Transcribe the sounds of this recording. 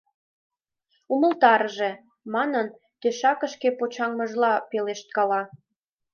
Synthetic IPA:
umə̆lt̪ɑɾʒe | mɑnən | t̪øʃɑkə̆ʃkepot͡ɕɑŋmə̆ʒlɑpeleʃt̪̚kɑlɑ

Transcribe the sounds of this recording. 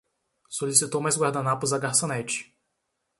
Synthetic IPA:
solisit̪owmajzɡwaɾd̪anapʊzɐɡaɾsõnɛt͡ʃɪ̥

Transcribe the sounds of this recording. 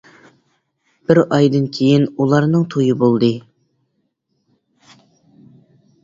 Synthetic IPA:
b̥ɪɾɑjd̪ɨnkʲʰejinulˠɑɾnɨŋt̪ʰojɨbolˠd̪ɨ

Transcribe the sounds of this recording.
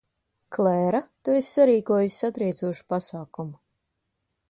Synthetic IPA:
klˠɛːɾat̪uesʲsaɾiːkuɔjusʲsat̪ɾiɛt̪suɔʃu̥pasaːkumu

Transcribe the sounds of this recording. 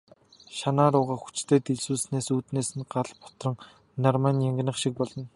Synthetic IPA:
ʃanaːɾʊːʁaːxu̥t͡ɕt̪ʰeːt̪eɮsuːsneːsuːt̪neːsɘ̆nɢaɮpɔ̥t̪rɞ̆ŋ | narmaːnjaŋɡnə̆χʃik̚pɔɮɞ̆n

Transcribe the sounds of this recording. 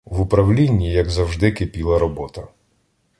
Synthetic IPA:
wʊpɾɐwlʲinʲːijɐɡzɐwʒd̪ɪkepʲilˠɐɾɔbɔt̪ɐ

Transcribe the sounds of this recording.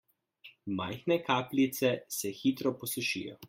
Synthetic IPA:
majxnɛkaːplit̪sɛsɛxit̪ɾɔpɔsɛʃḭjɔ̰

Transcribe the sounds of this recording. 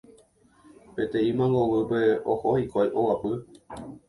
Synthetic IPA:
pe̞t̪ẽ̞ĩmãŋɡoʋɨpe̞ohohikʷajʔowapɨ

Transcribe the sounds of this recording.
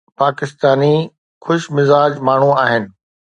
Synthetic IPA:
paːkɪst̪aːni | xʊʃmɪzaːd͡ʑmaːɳ̤ũaːɦɪnɪ̆

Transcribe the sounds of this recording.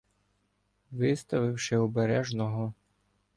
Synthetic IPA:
ʋɪst̪ɐʋɪwʃɪɔbeɾɛʒnɔɦɔ

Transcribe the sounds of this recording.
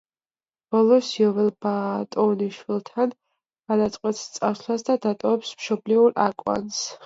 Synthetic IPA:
b̥ɔlˠɔsjɔvɛlˠbat̪ʼɔniʃwilˠt̪ʰan | ɡ̥ad̪at̪sʼqʼwɛt̪st̪sʼaɾslˠasd̪ad̪at̪ʼɔvɛpsmʃɔbliuɾakʼwa̰ns

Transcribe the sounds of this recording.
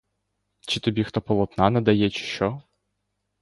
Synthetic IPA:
t͡ʃɪt̪ɔbʲixt̪ɔpɔlˠɔt̪nanɐd̪ɐjɛt͡ʃɪ̥ʃɔ

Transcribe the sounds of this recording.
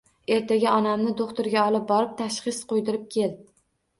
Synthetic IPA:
e̞ɾt̪ʰaɡʲaɒnamnɪd̪oqt̪ʊɾɡʲaɒlˠɪp̚bɒɾɪp̚t̪ʰaʃχɨsqʰojd̪ɪɾɪp̚kʲʰe̞lɪ

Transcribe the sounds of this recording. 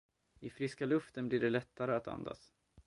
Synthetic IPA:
ɪfɾɪskalɵft̪ənblɪɖɛlɛt̪ʰːaɾəat̪ʰa̰nd̪a̰s

